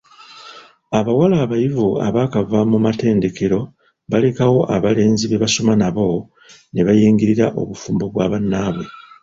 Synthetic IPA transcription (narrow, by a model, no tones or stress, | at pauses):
aβawalaːβajivua̰βaːkavamumate̞ːnde̞ke̞ɾo̞ | βale̞kawo̞ʔaβale̞ːnziβe̞βaso̞manaβo̞ | ne̞βajiːŋɡiɾiɾaʔo̞̰βufuːmbo̞βwaːβanːaːβwe̞